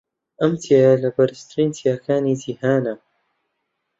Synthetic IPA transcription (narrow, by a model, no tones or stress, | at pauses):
ʔɐmt̪ʰijajalɐbɐɾst̪ɾiːnt̪ʰijaːkʰaːniːd͡ʒiːhaːna